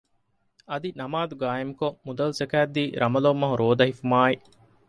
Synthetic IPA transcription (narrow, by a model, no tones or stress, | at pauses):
ɐd̪inɐmaːd̪uɡaːemukomud̪ɐlusekæːd̪ːiːɾʔɐmɐlɐːmːɐɦuɾoːd̪ɐɦifumaːi